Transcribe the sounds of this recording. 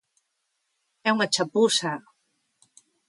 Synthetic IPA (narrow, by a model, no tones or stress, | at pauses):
ɛunat͡ʃapusa